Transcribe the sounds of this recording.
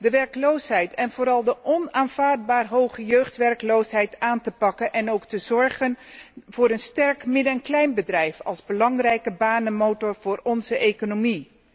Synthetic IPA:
dəʋɛrklowsɦɛjtʰɛnvʊːɾɑlˠdəʔɔnaːnvaːɹd̚baːrɦowχəjøɥχtʋɛrklowsɦɛjtaːntəpɑkənʔɛnowktəzɔɹχənv̥ʊːɾənstɛɹkmɪdəɛnklɛjnbədrɛjfɑlˠzbəlɑŋrɛjkəbaːnənmowtɔɹv̥ʊːɹɔnzəʔejkonomi

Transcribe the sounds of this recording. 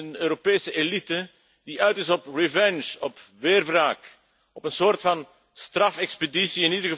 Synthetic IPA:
ənøːɾopeːsəelitə | d̥iœɥtɪsɔprivɛnʃɔpʋɪːrvraːk | ɔpənsoːrtfɑn | strɑfɛkspedisiɪnidərɣə

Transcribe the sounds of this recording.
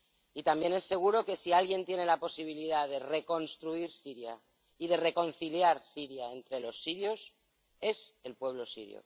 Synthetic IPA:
it̪ambje̞ne̞sːe̞ɣ̞uɾoke̞sialɣje̞nt̪je̞ne̞lapo̞siβiliðaðe̞re̞ko̞nst̪ɾuiɾsiɾja | iðe̞re̞ko̞n̟θiljaɾsiɾjae̞nt̪ɾe̞lo̞sːiɾjo̞s | e̞se̞lpwe̞β̞lo̞sḭɾjo̰

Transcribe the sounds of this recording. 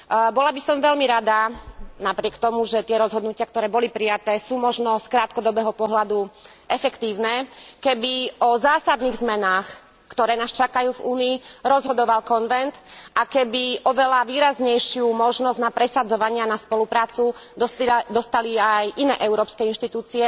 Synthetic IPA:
bɔlabisɔmʋɛlmiɾad̪anapɾɪɛkt̪ɔmuʒɛt̪ɪɛɾɔzɦɔd̪nucɪak̚t̪ɔɾɛːbɔlipɾijat̪ɛːsuːmɔʒnɔskɾaːt̪̚kɔd̪ɔbɛːɦɔpɔɦlad̪u | ʔɛfɛkt̪iːʊnɛːkɛbiɔzaːsad̪niːɣzmɛnaːx | kt̪ɔɾɛːnaːst͡ʃakajuːvuːniːɾɔzɦɔd̪ɔʋalkɔnʋɛnt̪ʔakɛbiʔɔʋɛlaʋiːɾazɲɛjʃɪumɔʒnɔzɟnapɾɛsad͡zɔʋaɲɪanaspɔlupɾaːt͡sud̪d̪ɔst̪aliajʔinɛːʔɛʊɾɔːpskɛinʃt̪it̪uːt͡siɛ

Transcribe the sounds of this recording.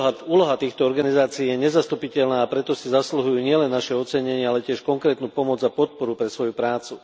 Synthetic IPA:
uːlɔɦat̪iːxt̪ɔɔɾɡanizaːt͡siiːjɛɲɛzast̪upicɛʎnaːpɾɛt̪ɔsizasluɦujuːɲɪɛlɛnːaʃɛɔt͡sɛɲɛɲɪaalɛcɪɛʃkɔŋkɾɛːt̪nuːpɔmɔd͡zapɔt̪̚pɔɾupɾɛsʋɔjupɾaːt͡su

